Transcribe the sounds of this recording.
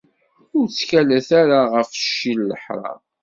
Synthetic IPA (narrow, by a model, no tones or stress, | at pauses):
ʊɾt͡sːçælæθaɾaʁəfʃːilːə̰ħɾˤɑ̰